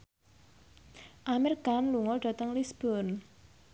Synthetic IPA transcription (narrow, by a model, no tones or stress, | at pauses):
ʔamirɡ̥amluŋɔlɖ̥ä̤t̪əŋlisb̥ɔn